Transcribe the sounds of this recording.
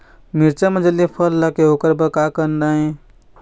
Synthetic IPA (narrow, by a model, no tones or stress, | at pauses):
miɾt͡ʃamed͡ʒəlːipʰəlːakeɦokəɾbəkakəndaẽ